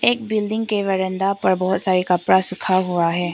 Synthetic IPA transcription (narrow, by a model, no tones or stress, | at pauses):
eːk̚bɪlɖɪ̃ŋɡkeʋɐɾə̃nd̪apɐɾbɔːt̪saːɾikɐpɽasʊkʰaɦuaɦɛː